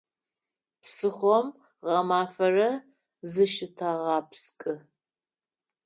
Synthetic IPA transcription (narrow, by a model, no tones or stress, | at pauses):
psɨχʷɔm | ʁɐmaːfɐrɐ | zɨʃɪtʰaʁɑːpskʼɨ